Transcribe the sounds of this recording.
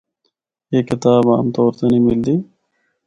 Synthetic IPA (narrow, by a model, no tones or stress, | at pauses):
eːkːɪt̪aːbaːmt̪oːɾt̪eniːmɪld̪iː